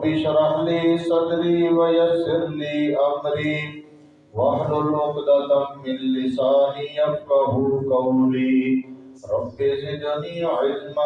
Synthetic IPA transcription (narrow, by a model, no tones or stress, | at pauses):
biʃɐɾɐɦliːsɐd̪ɾiːʋɐjɐsɪɾliːɐmɾiː | ʋɐɦlʊlmʊqd̪ɐt̪ɐːɪnːɪsaːnijɐfkɐɦuːkɐɾiː | ɾɐbːezɪd͡ʒɐniːʕɪlm